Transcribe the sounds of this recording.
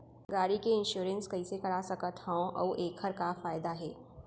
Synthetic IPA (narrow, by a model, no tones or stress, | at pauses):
ɡaːɽikeɪ̃nʃuːɾə̃nskɐisekɐɽasɐkət̪hãõʔɔ̰ːʔeːkhəɾkafaːɪd̪aɦɛː